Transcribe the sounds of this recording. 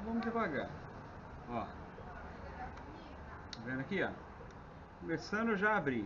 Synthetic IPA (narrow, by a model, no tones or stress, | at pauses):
vɐ̃mʊd̪ɪvaɡa̰ɾ | ɔ | ɐvẽnd̪akia̰ | komesɐ̃nd̪ʊeʒaːbɾi